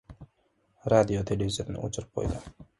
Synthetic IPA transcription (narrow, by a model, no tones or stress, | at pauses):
ɾad̪ijot̪ʰelʲevizʲeɾnɪ̰ʔot͡ʃʰʊɾp̚qʰojd̪ə